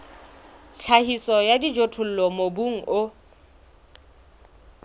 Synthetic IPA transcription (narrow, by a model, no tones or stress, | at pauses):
t͡ɬʰahisɔjadid͡ʒotʰʊl̩lɔmobuŋ̩ʔʊ